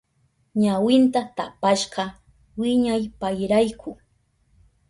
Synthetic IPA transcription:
ɲawɪnt̪at̪apaʃɢɑ | wɪɲajpajɾajkʰʊ

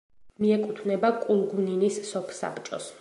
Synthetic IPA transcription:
miɛkʼut̪ʰvnɛbakʼulˠɡuninisːɔpʰsa̰pt͡ʃʼɔ̰s

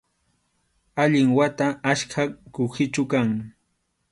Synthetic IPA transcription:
aʎɪŋwat̪aːʃkʰakʊxɪt͡ʃʊkaŋ

